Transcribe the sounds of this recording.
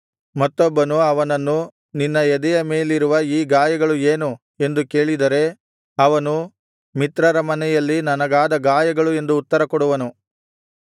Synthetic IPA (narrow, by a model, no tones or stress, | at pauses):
mɐt̪ːɔbːɐnuɐʋɐnɐnːu | ninːɐɛd̪ɛjɐme̞ːliɾuʋɐiːɡaːjɐɡɐɭueːnu | e̞nd̪uke̞ːɭid̪ɐɾe̞ | ɐʋɐnu | mit̪ɾɐɾɐmɐnɛjɐlːinɐnɐɡaːd̪ɐɡaːjɐɡɐɭue̞nd̪uːt̪ːɐɾɐkɔɽuʋɐnu